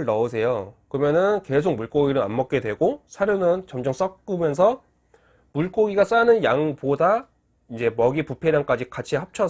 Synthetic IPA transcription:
ɭnʌɯsʰe̞jokɯʌmjʌnɯnke̞sʰok̚muɭk͈oɡiɾɯa̰nmʌk̚k͈e̞dwe̞ɡosʰaɾjonɯnt͡ɕʌmd͡ʑʌŋs͈ʌk̚k͈ɯmjʌns̬ʰʌ | muɭk͈oɡiɡas͈anɯnjaŋpoda | ind͡ʑe̞mʌɡipupʰe̞ɾjaŋk͈ad͡ʑikat͡ɕʰihap̚t͡ɕʰʌ

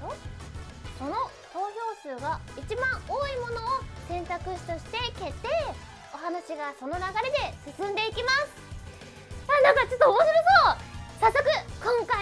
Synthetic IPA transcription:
o | so̞no̞ | so̞ːço̞ːsɨːɡait͡ɕibãɰ̃oːimo̞no̞ːsẽ̞nt̪akɯ̟ɕi̥t̪oɕi̥t̪e̞ke̞t̪e̞ | o̞ɦanaɕiɡaso̞no̞naɡaɾe̞d̪e̞sɨsɨ̃nd̪e̞ikʲimasɨ̥ | anãŋkat͡ɕo̞t̪ːoːmoɕiɾosoːsasːokɯ̟kõŋka

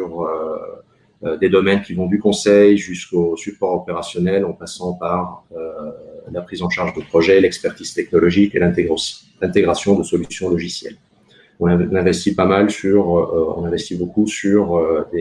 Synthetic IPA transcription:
yʁø | ød̪ed̪ɔmɛnkʲivɔ̃d̪ykɔ̃sɛjʒyskosypɔʁɔpeʁasjɔnɛlɑ̃pasɑ̃paʁølapχizɑ̃ʃaʁʒd̪əpχɔʒɛlɛkspɛʁt̪iz̥t̪ɛk̚nɔlɔʒikelɛ̃ | lɛ̃t̪eɡʁasjɔ̃d̪əsɔlysjɔ̃lɔʒisjɛ̰l | ɔ̃nɛ̃nɛ̃vɛst̪ipamalsyʁɔ̰̃nɛ̃vɛst̪ibokusyʁød̪e

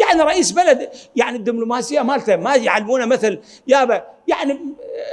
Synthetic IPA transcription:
jaʕniɾˤɑʔiːsbalad̪jaʕnid̪ːɪblʊmaːsɪjːamaːlt̪amajʕalːmuːnamɪθɪl | jaːbajaʕni

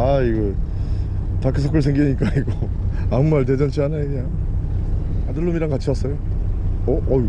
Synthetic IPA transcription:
aiɡʌ | takʰɯs̬ʰok͈ʰɯɭs̬ʰeŋɡieɲik͈aiɡo | amumaɭt̬ed͡ʑʌnt͡ɕʰiɦanajɲa | adɯɭːumiɾaŋkat͡ɕʰiʌs͈ʌjo | ʌʔʌ

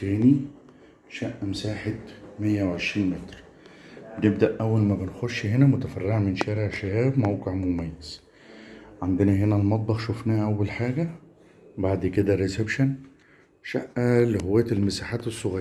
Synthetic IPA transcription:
t̪æːni | ʃæʔːæmsaːħet̪mejːæwʕeʃɾiːnmet̪ɾ | benebd̪æʔʔæwːælmæbenxoʃːhenæmot̪æfærːeʕmenʃæːɾeʕʃæjæːbmæwqeʕmomæjːæz̥ | ʕand̪enæɦenælmɑt̪̚ˤbɑxʃofnæːʔæwːælħaːɡæ | baʕd̪ked̪æɾesebʃæn | ʃæʔːæleɦowːæːjt̪elmesaħaːt̪esˤːoɣ

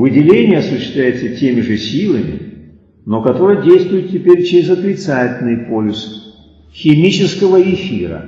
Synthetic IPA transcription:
vɨdʲɪlʲenʲɪjəɐsʊɕːɪst̪vlʲæjɪt̪sətʲemʲɪʐɨsʲilˠəmʲɪ̰ | no̞kɐt̪o̞ɾɨjədʲejst̪vʊjɪt̪tʲːɪpʲeɾʲt͡ɕɪɾʲɪzɐt̪ɾʲɪt̪satʲɪlʲnɨjpolʲɪs | xʲɪmʲit͡ɕɪskəvəɪfʲiɾə̰

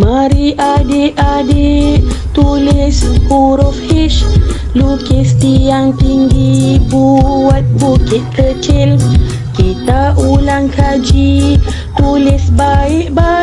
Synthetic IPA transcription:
maɾiʔadeʔadet̪ulesuɾɔfhiʃ | lukest̪iaŋpiŋɡibuwat̪̚bukit̪̚kət͡ʃel | kit̪aʔulaŋkad͡ʒi | t̪ulesbaeʔba

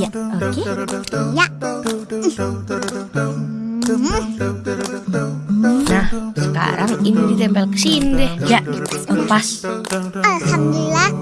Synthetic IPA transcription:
jaokeja | nahsəka̰ɾaŋinidit̪ɛmpalkəsinidɛhjaʔəpasʔalhamd̪ulilah

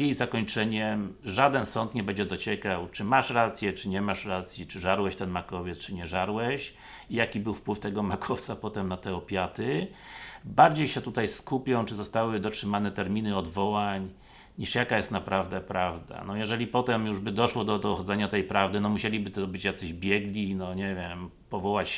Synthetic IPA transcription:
jejzakɔɲt͡ʂɛɲɛmʐad̪ɛnsɔnt̪ɲɛbɛɲd͡ʑɛd̪ɔt͡ɕɛkawt͡ʂɘmaʂɾat̪sʲjɛt͡ʂɘɲɛmaʂɾat̪sʲjit͡ʂɘʐaɾwɛɕt̪ɛnmakɔvʲjɛt̪st͡ʂɘɲɛʐaɾwɛɕ | ijakʲibɘwfpwɘft̪ɛɡɔmakʰɔft̪sapɔt̪ɛmnat̪ɛɔpʲjat̪ɘ | baɾd͡ʑejɕɛt̪ut̪ajskupʲjɔ̃w̃t͡ʂɘzɔst̪awɘd̪ɔtʂɘmanɛt̪ɛɾmʲinɘɔd̪vɔwaɲ | ɲiʂjakajɛst̪napɾavd̪ɛpɾʔavd̪a̰nɔjɛʐɛlʲipɔt̪ɛmjuʐbɘd̪ɔʂwɔd̪ɔd̪ɔxɔd̪zɛɲat̪ɛjpɾavd̪ɘnɔmuɕelʲibɘt̪ɔbɘt͡ɕjakt̪sɛʑbʲjɛɡlʲinɔɲɛvʲjɛm | pɔvɔwat͡ɕ

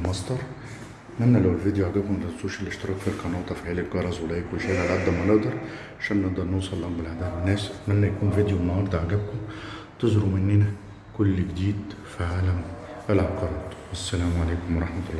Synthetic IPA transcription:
mɑsd̪ɑɾˤ | mænːælæwelvid̪juʕaʕɡæb̚kʊmlæt̪zuːʃælːeʃt̪ɑɾˤɑːkfilkɑnoːʔt̪ˤɑfiʕeːlekɡɑɾˤɑzwelæːjikːolːʃæːʔlælʕad̪ːæmæneʔd̪ɑɾˤ | ʕaʃæːnneʔd̪ɑɾˤnoːsˤɑlːɑmbelʕad̪æːd̪wenːæːsmænːæjækuːnvid̪juenːɑhɑɾˤd̪ˤɑʕaɡæb̚kʊm | t̪ezɾumɪnːiːnæ | kʊlːɡd̪iːd̪fiʕaːlæm | ʔælʕɑqɑɾˤɑːt̪wæsːælæːmʕaleːkomwɑɾˤɑħmæt̪lˤːɑː

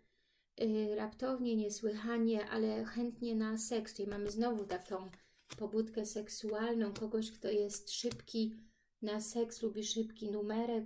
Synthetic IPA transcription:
ɾapt̪ɔvɲɛɲɛswɘxaɲɛʔa̰lɛxɛnt̪ɲɛnasɛksimamɘznɔvut̪akɔ̃w̃ | pɔbut̪kɛsɛksualnɔ̃w̃kɔɡɔɕkt̪ɔjɛst̪ʂɘpkʲi | nasɛkslubʲiʂɘpkʲinumɛɾɛk

